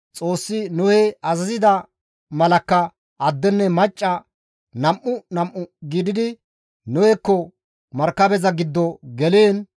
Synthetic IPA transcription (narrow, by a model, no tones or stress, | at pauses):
t͡sʼo̞ːsːɪnʊhɛɐzɐzɪd̪ɐ | mɐlɐkːɐ | ʔɐd̪ːɛnːɛmɐt͡ʃʼːɐ | nɐmʔʊnɐmʔːʊɡiːd̪ɪd̪ɪ | nʊhɛkːɔ | mɐɾkːɐbɛzɐɡɪd̪ːɔɡɛleːn